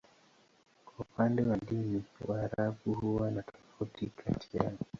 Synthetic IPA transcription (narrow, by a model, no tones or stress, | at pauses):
kwaupandɛwaɗiniwaːɾaɓuhuwanatʰɔ̥fautikʰa̰tʰia̰